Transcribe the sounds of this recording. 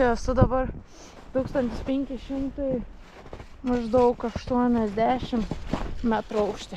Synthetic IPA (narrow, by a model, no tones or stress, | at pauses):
ɛɐsʊd̪ɐbɐɾ | t̪uːkst̪ɐnʲt̪ʲɪspʲɛŋʲkʲɪʃʲɪmt̪uj | mɐʒd̪ɐʊkɐʃt̪uɔnʲɛzʲd̪ʲæːʃʲɪmmʲæt̪ɾʊɐʊkʃʲt̪ʲɪ